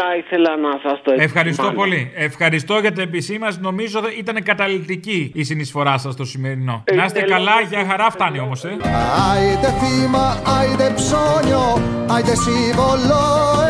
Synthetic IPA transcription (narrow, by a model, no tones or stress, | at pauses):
ɐiθelɐnɐsɐst̪oeefxɐɾisst̪opo̞liefxɐɾist̪o̞ʝɐt̪̬iep̬isimɐzno̞mizoit̪ɐnekɐt̪ɐlit̪iciːsinisfo̞ɾɐsɐst̪o̞sime̞ɾino̞nɐset̪ekɐlɐʝɐxɐɾɐft̪ɐnio̞mo̞seɐit̪eθimɐɐit̪epsoɲoɐjt̪esivolo